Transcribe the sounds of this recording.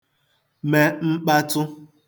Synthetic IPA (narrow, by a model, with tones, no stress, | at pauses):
me˨ŋ͡m̩˦k͡pa˦tʊ˦